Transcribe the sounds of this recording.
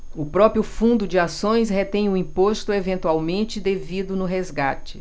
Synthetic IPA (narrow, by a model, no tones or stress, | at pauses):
ʊpɾɔpɾjʊfũnd̪ʊd͡ʒɪasõj̃sɦet̪ẽj̃ʊĩpost̪ʊevẽnt̪uawmẽnt͡ʃɪd̪evid̪ʊnʊɦezɡat͡ʃɪ̥